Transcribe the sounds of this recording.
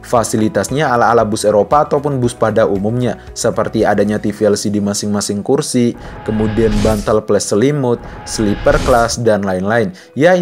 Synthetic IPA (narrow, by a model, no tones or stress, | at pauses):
fasilit̪asɲaːlaːlabʊseɾopaːt̪awpʊnbʊspadaʔumumɲa | səpərt̪iadaɲat̪ifiɛlsidimasɪŋmasɪŋkursi | kəmudianbant̪alplɛsəlimʊt̪̚slipərklasdanlaɪnlaɪn | ja